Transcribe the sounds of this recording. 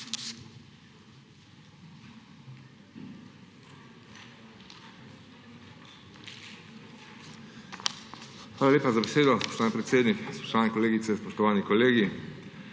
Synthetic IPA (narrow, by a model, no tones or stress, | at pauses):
xʋaːlaleːpazabeseːd̪ɔspɔʃt̪ʋaːnipɾɛt̪seːd̪nikɛspɔ̥ʃt̪ɔʋaːnɛkɔleːɡit̪sɛspɔʃt̪ɔʋaːnikɔleːɡi